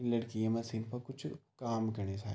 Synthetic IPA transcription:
lɐɽkiemɐsiːnpɐɾkʊt͡ʃʰkaːmkɐɾnesʰa̰ː

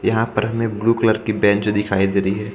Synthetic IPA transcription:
jɐɦãpɐɾɦɐmẽbluːkləɾkibɛ̃ːt͡ʃd̪ɪkʰaːid̪eːɾəiɦɛː

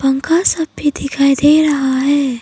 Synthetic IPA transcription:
pɐ̃ŋkasɐb̚bʱid̪ɪkʰaːid̪eɾɐɦaɦɛː

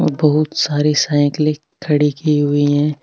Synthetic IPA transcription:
bɐɦʊt̪saːɾisaːɪ̃kle | kʰɐɽikiɦʊiɦɛ̃ː

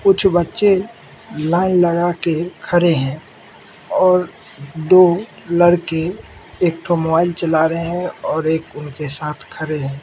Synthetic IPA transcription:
kʊt͡ʃʰbətːʃe | laːɪnləɡakekʰəɾeɦɛ̃ː | ɔːɾ | d̪oː | ləɽkeeːk̚ʈʰomobaːɪlt͡ʃəlaːɾəeɦɛ̃ɔːɾeːkʊnkesaːt̪ʰkʰəɾeɦɛ̃ː

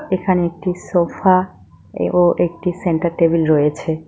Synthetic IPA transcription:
ekʰaneek̚ʈisofa | oʔek̚ʈiseɳʈaɾʈebilɾojet͡ɕʰe

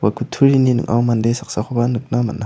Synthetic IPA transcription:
wakʰutʰuɾininɯ̰ŋʔa̰wmandesak̚saxʰɔbanɯk̚nama̰nːa

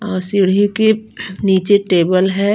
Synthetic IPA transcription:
ɔːɾsɪɽikeniːt͡ʃeʈeːbəlɦɛː

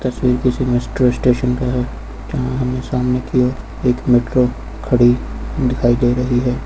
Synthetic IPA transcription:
t̪ɐswiːɾkisimesʈɾoɪsʈeːʃənkaɦɛː | d͡ʒɐɦãɦɐmnesaːmnekioː | eːkmeːʈɾo | kʰɐɽid̪ɪkʰaːid͡ʒaːiɾɐɦiɦɛː

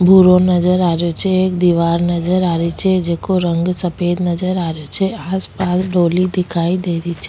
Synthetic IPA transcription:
bʱuɾonəd͡ʒəɾaɾjot͡ʃʰeːk̚d̪iʋaɾnəd͡ʒəɾaɾet͡ʃʰed͡ʒekoɾəŋɡsəped̪nəd͡ʒəɾaɾjot͡ʃʰeaspasɖolid̪ikʰaid̪eɾit͡ʃʰe

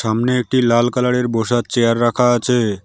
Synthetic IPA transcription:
amneek̚ʈilalkalaɽeɾboʃat̪̚t͡ɕeaɾːakʰaat͡ɕʰe

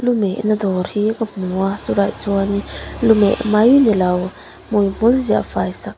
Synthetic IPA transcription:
lumeʔnadɔɾhiɡamuasuɾajt͡suanilumeʔmajnilaw | mujm̥ulzia̰fajsak̚

